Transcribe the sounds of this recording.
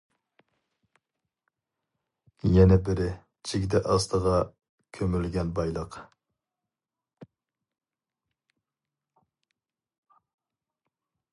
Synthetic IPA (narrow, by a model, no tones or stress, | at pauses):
jɛnɛbɪɾɪ | t͡ʃʰikʲd̪ɛʔɑst̪ʰəʁɑ | kʲʰømylɡʲɛnbɑjlˠəq